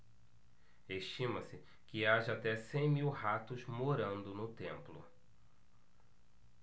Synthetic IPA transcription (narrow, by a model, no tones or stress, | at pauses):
eʃt͡ʃĩmɐsɪ | kɪaʒɐat̪ɛsẽj̃miwhat̪ʊzmoɾɐ̃nd̪ʊnʊt̪ẽmplʊ̰